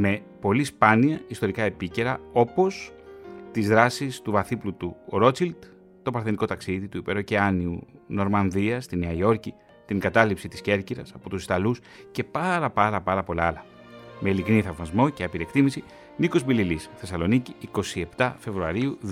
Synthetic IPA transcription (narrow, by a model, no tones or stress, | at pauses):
me̞ | po̞lispɐniɐist̪o̞ɾikɐe̞pice̞ɾɐo̞po̞st̪izðɾɐsist̪uvɐθiplut̪uɾo̞t͡sild̪ | t̪o̞pɐɾθeniko̞t̪ɐksiðit̪uipe̞ɾo̞ceɐniuno̞ɾmɐnðiɐst̪ineɐo̞ɾci | t̪iŋɡɐt̪ɐlipsit̪i̥sce̞ɾciɾɐsɐpo̞t̪usi̥st̪ɐlus | ce̞pɐɾɐpɐɾɐpɐɾɐpo̞lɐlɐ | me̞ilikniθɐvmɐzmo̞ceɐpiɾiekt̪imisi | niko̞zbililisθe̞sɐloniciːko̞sie̞pt̪ɐfe̞vɾuɐɾiu